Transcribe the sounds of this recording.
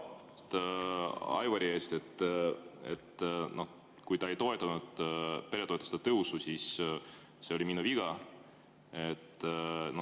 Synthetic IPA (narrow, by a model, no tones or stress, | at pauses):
t̪ | ɑ̰jvɑɾʲie̞ːst̪e̞t̪ː | ḛt̪ːno̞h | kujt̪ɑe̞jt̪o̞e̞t̪ːˑɑnud̪̥pe̞ɾet̪o̞et̪ːˑu̥st̪et̪ɤususis | seo̞lʲiminuviɡ̥ɑ | e̞t̪ːno